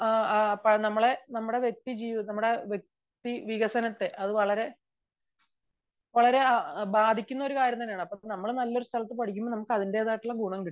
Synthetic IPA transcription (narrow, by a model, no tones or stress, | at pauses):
apːɐnɐmːɐɭenɐmːuɽe̞ʋjek̚t̪id͡ʑiːnɐmːuɽe̞ʋjek̚ | t̪iʋiɣɐsɐnɐt̪ːe̞ʔɐðɨʋɐɭɐɾe̞ | ʋɐɭɐɾe̞baːd̪ʱikʲːunːɐo̞ɾukaːɾjɐmt̪ɐnːejaːɳɨɐpːonɐmːɐɭnɐlːo̞ɾust̪ʰɐlɐt̪ːɨpɐɽʰikʲːumːonɐmukːɐðinde̞ːðaːjiʈːuɭːɐɡuːɳɐmkiʈi